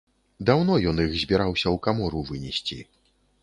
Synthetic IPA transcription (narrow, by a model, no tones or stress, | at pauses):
d̪awnɔjɔnixzʲbʲɛɾawsʲɐwkamɔɾuvɨnʲɛsʲt͡sʲḭ